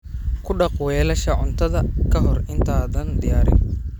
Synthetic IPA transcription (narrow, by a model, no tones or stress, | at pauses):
kʰʊɖɑqwɛːlɐʃɐʕʊnt̪ʰɐðɐkʰɐɦɔrɪnt̪ʰaːðɐnd̪ɪjaːɾɪ̰n